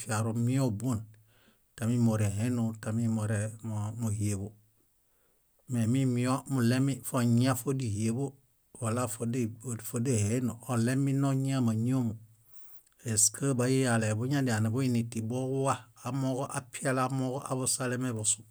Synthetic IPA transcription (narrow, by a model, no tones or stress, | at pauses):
fiaɾumiobuːn | tamimoɾeɦenotamimoɾemuhiebo | memimiomulemifoɲiafodihiebo | walafodefodehenoolemːinoɲiamaɲomu | eskʰabajijalebuɲadianebuinitːibokuwaamokoʔapialamokoʔabosalemebosu̥